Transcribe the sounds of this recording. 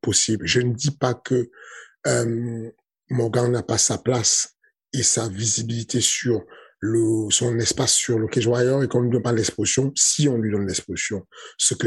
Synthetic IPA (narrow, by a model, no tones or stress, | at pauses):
pɔsiblʒənəd̪ipakə | øm | mɔ̃ɡãnapasaplas | esavizibilit̪ʰesyʁləsɔ̃nɛspasːyʁləkɛ̃ʒwajɔʁekɔ̃nlid̪ɔnpalɛksposjɔ̃siɔ̃lɥid̪ɔnlɛksposjɔ̃səkə